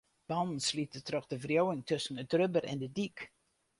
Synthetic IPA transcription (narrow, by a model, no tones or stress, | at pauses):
b̥ɑnn̩slitətrɔχdəvrjowɪŋtɵsənətrøbərɛ̰ndədik